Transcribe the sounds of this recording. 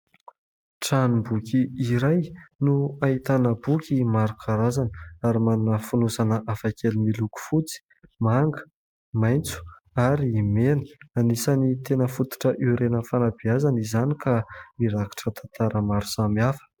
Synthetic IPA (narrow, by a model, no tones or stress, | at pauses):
ʈ͡ʂanimbukʲiiɾajnuait̪anəbukʲimaɾukʰaɾazani̥aɾimanunəfunusanəʔafakʰelimiluku̥fut͡si̥ | maŋɡə̥ | majnt͡su̥ | aɾiːmenə̥anisanit̪enəfut̪u̥ʈ͡ʂəʔiɾenəfanabiazanizanikamiɾaki̥ʈ͡ʂət̪ʰant̪aɾəmaɾu̥samiafə̥